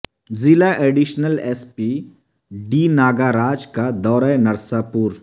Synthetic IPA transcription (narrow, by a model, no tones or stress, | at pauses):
zɪlaʔeːɖiʃnəleːspiː | ɖiːnaːɡaːɾaːd͡ʒkad̪ɔːɾajnɐɾsapuːɾ